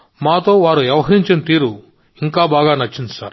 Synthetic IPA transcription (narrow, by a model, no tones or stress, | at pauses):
maːt̪o̞ːʋaːɾujɛʋɐɦɐɾiɲt͡ʃenɐt̪iːɾu | iŋkaːbaːɡaːnɐt͡ʃːind̪usa̰ːɾ